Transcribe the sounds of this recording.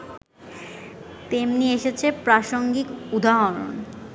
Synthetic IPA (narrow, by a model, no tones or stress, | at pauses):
t̪emnieʃet͡ɕʰepɾaʃoŋɡikud̪aɦoɾo̰n